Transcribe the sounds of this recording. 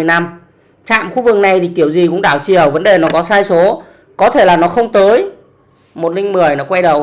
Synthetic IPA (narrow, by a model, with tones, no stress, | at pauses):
əjna˧m | t͡ɕa̰ː˧˨mxu˧vɨ˨˩k̚na˨˩jt̪ʰi˨˩ki˧˩əwzi˨˩kʊ̰˧˥ŋ͡mɗaː˧˩wt͡ɕi˨˩əwvə˨˦nɗe˨˩nɔ˨˦kɔ˨˦saː˧jso˨˦ | kɔ˨˦t̪ʰe˧˩laː˨˩nɔ˨˦xə˧wŋ͡mt̪əː˨˦j | mo˨˩t̚lï˧ŋ̟mɨ˨˩əjnɔ˨˦kwa˧jɗə˨˩w